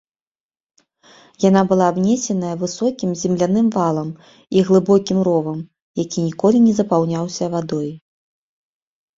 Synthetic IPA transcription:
janabɨlˠaːbnʲɛsʲɛnɐjɐvɨsɔkʲimzʲɛmlʲanɨmvalˠɐm | iɣlˠɨbɔkʲimɾɔvɐm | jakʲinʲikɔlʲinʲɛzɐpawnʲawsʲɐvad̪ɔj

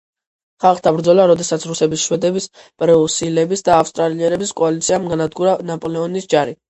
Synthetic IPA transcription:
χalˠχd̪abɾd̪zɔlaɾɔd̪ɛsat̪sʰɾusɛbisʃwɛd̪ɛbis | pʼɾɛusilɛbisd̪aːfst̪ʼɾaliɛɾɛbiskʼɔalit̪sʰiamɡanad̪ɡuɾanapʼɔlɛɔnisd͡ʒaɾi

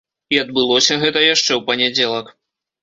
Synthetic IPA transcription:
iɐd̪bɨlˠɔsʲɐɣɛt̪ɐjaʂt͡ʂɛwpɐnʲɛd͡zʲɛlˠɐk

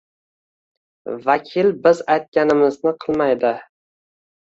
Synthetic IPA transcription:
vakʲʰɪlbɪzajt̪̚kʲanɪmɪznɪqʰɨlˠmajd̪ɪ

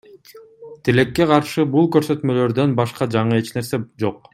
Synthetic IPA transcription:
t̪ʰile̞kːe̞qɑɾʃɯbulˠkø̞ɾsø̞t̪mø̞lø̞ɾd̪ø̞nbɑʃqɑd͡ʒɑɴɯe̞t͡ʃne̞ɾse̞d͡ʒo̞q

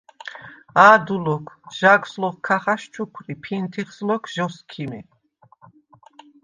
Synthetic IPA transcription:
aːd̪ulɔkʰʒ̥aɡslɔχkʰaχaʃt͡ʃʰukʰɾipʰint̪ʰiχslɔkʰʒ̥ɔskʰimi

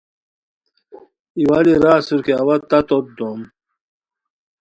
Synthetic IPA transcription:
iwaːliɾaːsuɾkeɐwɐt̪ːɐt̪ot̪̚d̪om

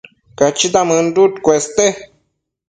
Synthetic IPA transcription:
kat͡ʃit̪amɨndut̪kʷest̪e

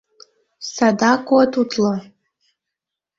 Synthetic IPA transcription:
sadakʷʼwatʰutʰla

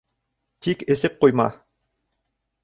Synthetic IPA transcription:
t̪ikĕsɘp̚qujmɑ̰

